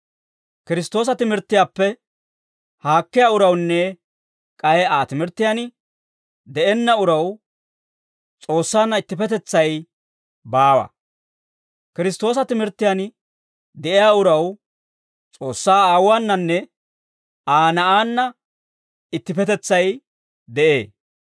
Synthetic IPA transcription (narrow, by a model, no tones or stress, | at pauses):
kɪɾɪst̪oːs̬ɐt̪ɪmɪɾt̪ːɪjaːpːɛ | haːkːɪjaːʊɾɐwnːɛ | kʼɐjɛaːt̪ɪmɪɾt̪ːɪjan | d̪ɛʔɛnːɐʊɾɐw | t͡sʼo̞ːsːaːnːɐɪt̪ːɪpɛt̪ɛt͡sːɐj | baːwɐ̰ | kɪɾɪst̪o̞ːsɐt̪ɪmɪɾt̪ːɪjan | d̪ɛʔɪjaːʊɾɐw | t͡sʼo̞ːsːaːaːwaːnːɐnːɛ | aːnɐʔaːnːɐ | ɪt̪ːɪpɛt̪ɛt͡sːɐj | d̪ɛʔḛː